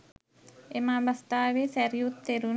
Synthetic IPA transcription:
emabast̪aʋesɛɾjut̪ːeɾun

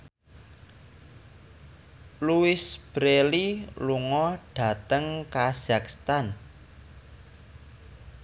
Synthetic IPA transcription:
luɪsb̥ɾeliluŋɔɖ̥ä̤t̪əŋkaz̥akst̪an

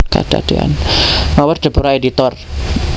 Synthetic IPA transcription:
ka̰d̥a̰d̥̪ea̰nnawərd̥ə̤puɾaedit̪ɔr

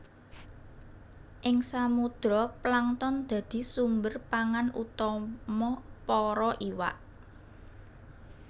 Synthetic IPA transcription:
ʔɪŋsamud̪̥ɾɔplaŋt̪ɔnd̪̥ä̤d̪̥i̤sumbərpaŋanṵt̪ɔmɔpɔɾɔʔiwa̰ʔ

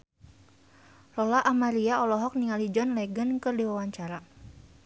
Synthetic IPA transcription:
lɔlaʔamaɾiaɔlɔɦɔk̚niŋalid͡ʒɔnlɛɡənkɨrdiwawaɲt͡ʃaɾa

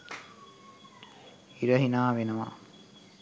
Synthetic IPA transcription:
iɾəɦinaːʋenəʋa̰

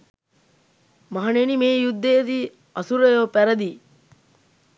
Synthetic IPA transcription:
mɐɦɐnenimeːjud̪ːet̪iː | ɐsuɾɐjoːpæɾɐd̪iː

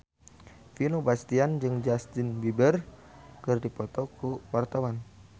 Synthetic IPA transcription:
finobast̪iand͡ʒɨŋd͡ʒast̪ɪnbibərkɨrdipɔt̪ɔkuwart̪awan

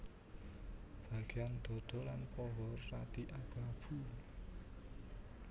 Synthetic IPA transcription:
b̥ä̤ɡ̥eand̪̥ɔ̤d̪̥ɔ̤lanpɔɦɔrːad̪̥iʔab̥ab̥u

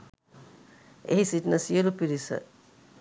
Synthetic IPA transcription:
ḛɦisiʈnəsiəlupiɾisə̰

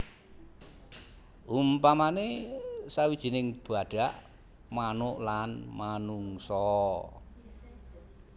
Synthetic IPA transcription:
ʔumpamanesawid̥ʒ̥i̤nɪŋb̥a̤ɖ̥aʔ | manʊʔlanmanuŋsɔ

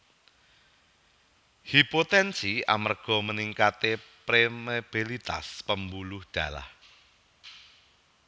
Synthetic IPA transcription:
hipot̪ɛnsia̰marɡ̥ɔ̤məniŋkat̪epɾemeb̥ilit̪a̰spəmbulʊhɖ̪̥ä̤la̰h

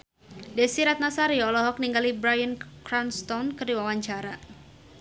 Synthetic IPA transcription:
dɛsiɾat̪̚nasaɾiɔɔlɔɦɔk̚niŋɡalibɾajənkɾanst̪ɔnkərdiwawaɲt͡ʃaɾa

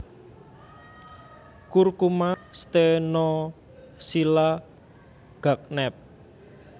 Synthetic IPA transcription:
kurkumast̪enɔ | sila | ɡ̥a̤k̚nɛp̚

